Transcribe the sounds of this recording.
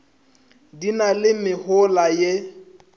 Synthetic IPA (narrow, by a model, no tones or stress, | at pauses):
dinalɪmɪhʊlaje